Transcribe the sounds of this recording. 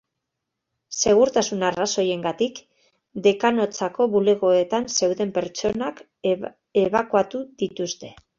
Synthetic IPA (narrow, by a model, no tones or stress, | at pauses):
se̞ɣ̞uɾt̪asunaraso̞je̞ŋɡat̪ik | d̪e̞kano̞t͡sako̞βule̞ɣo̞e̞t̪anse̞wðe̞mpe̞ɾt͡ʃo̞nak | e̞β̞akuat̪uðit̪ust̪e̞̥